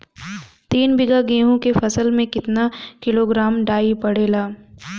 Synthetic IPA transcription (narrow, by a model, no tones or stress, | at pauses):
t̪iːnbɪɡaɡẽːɦũkefɐsəlmẽkɪt̪nakɪloɡɾaːmɖaːipɐɽeːlaː